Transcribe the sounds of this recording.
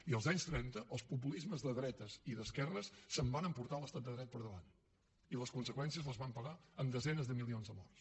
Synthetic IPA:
iəlˠzaɲst̪ɾɛnt̪əʔəlˠspup̬ulizməzðəðɾɛt̪əziðəskɛrəsːəmbanəmpuɾt̪alˠəst̪at̪d̪əðɾɛt̪̚pəɾðəβa̰n | iləskunsəkwɛnsiəzlˠəzβampəɣaəmd̪əzɛnəzðəmilˠionzðəmɔrs

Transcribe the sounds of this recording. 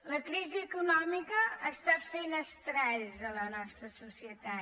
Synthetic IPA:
ləkɾiziəkunɔmikəəst̪afenəst̪ɾɛʎzələnɔst̪ɾəsusiət̪a

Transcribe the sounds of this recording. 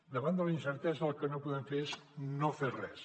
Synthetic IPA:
d̪əβand̪əlɐinsəɾt̪ɛzalkənopuðeɱfeɾeznoferɛs

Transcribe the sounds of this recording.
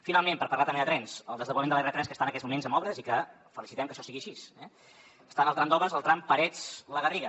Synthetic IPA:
finalˠmẽmpəɾpərlat̪əmbeðət̪ɾɛnsəlˠd̪əzðəβuəmend̪əlɛrət̪ɾɛnskəst̪anəkɛzmumenzəmɔβɾəzikə | fəlisit̪ɛmkəʃɔsiɣiəʃisɛ | əst̪anəlˠt̪ɾamnd̪ɔβəzəlˠt̪ɾampəɾɛt͡sləɣəriɣə

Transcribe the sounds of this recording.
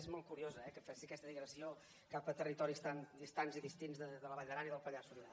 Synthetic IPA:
ezmɔl̚ˠkuɾiozəɛkəfasiəkɛst̪əðiɣɾəsio | kapət̪ərit̪ɔɾist̪and̪ist̪anziðist̪inzðəðələβaʎəɾanəiðəlˠpəʎasuliða

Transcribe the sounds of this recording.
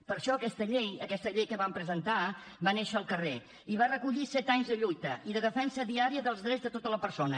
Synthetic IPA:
pəɾʃɔəkɛst̪əʎejəkɛst̪əʎejkəβampɾəzənt̪a | βaneʃəːlˠkəre | iβarəkuʎisɛt̪aɲzðəʎujt̪əiðəðəfɛnsəðiaɾiəðəlˠzðɾɛzðət̪ot̪ələpəɾsonə

